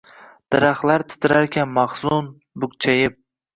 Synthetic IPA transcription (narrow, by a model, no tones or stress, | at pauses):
d̪̥ɪɾaχlaɾt̪ʰɪ̥t̪ʰɪɾaɾkʲʰanmɑχsʊn | bʊk̚t͡ʃʰajɪp̚